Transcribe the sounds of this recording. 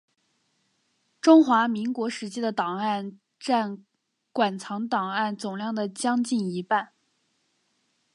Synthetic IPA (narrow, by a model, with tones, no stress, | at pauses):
ʈ͡ʂʊ˥ŋxwa˧˥mi˧˥ŋkwɔ˧˥ʂɻ̩˧˥t͡ɕʰi˥d̪ə˨t̪ɑ˨˩ŋa˥˧n | ʈ͡ʂa˥˩n | kwa˨˩nt͡sʰɑ˧˥ŋt̪ɑ˨˩ŋa˥˩nt͡sʊ˨˩ŋljɑ˥˩ŋd̪ə˩t͡ɕjɑ˥ŋt͡ɕi˥˩ni˧˥pa˥˩n